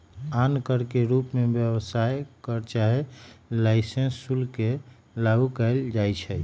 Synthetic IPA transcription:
ankəɾkeɾupmebjəbsajkəɾt͡ʃaɦelaɪsẽnsːulke | laɡukɛɪld͡ʒajt͡ʃʰɛ

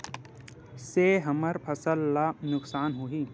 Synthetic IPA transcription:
seːɦɐmɐɾpʰɐsəlːanʊksaːnɦuɦiː

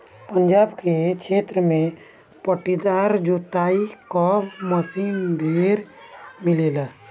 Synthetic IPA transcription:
pənd͡ʒaːbkekʰeːt̪ɾəmẽ | pəʈid̪aːɾd͡ʒoːt̪aːikɔːməsimɖʱeːɾmɪleːlaː

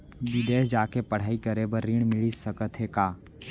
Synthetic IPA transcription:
bɪd̪eːd͡ʒaːkepəɽ̤aːikəɾebəɾːiɳ̃mɪlisəkət̪ɦekaː

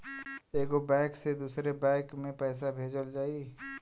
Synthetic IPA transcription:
eːɡobɛ̃ːksed̪uːsɾebɛ̃ːkmẽpɛːs̬abʱeːd͡ʒəld͡ʒaːi

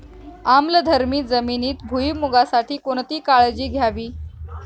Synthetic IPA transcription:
amləd̪ʱəɾmiːd͡zəminiːt̪̚bʱuimuɡasaʈʰiːkoɳt̪iːkaɭd͡ʑiːɡʱjaʋiː

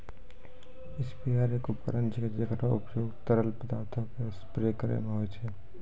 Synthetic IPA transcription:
ɪspiaɾekopɐ̰ɾə̃nd͡ʒked͡ʒəɡɾaʊpjoːɡt̪əɾəlpəd̪aːɾt̪ʰokespɾekəɾḛmẽɦoet͡ʃʰɛ

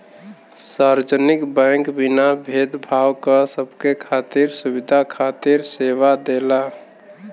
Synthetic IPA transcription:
saɾd͡ʒənikbɛ̃ŋkbinabʱed̪bʱawkəsəbkekʰat̪iɾsubid̪ʱakʰat̪iɾseʋad̪ela

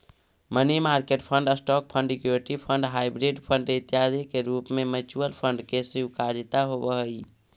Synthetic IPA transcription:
mənimaɾkeʈpʰəɳɖəsʈɔk̚pʰə̃ɳɖkjoʈipʰəɳɖɦajbɾeɖpʰəɳɖet̪jad̪ekeɾupmemət͡ʃuəlpʰəɳɖkesiukaɾd͡ʒit̪aɦobəɦəj

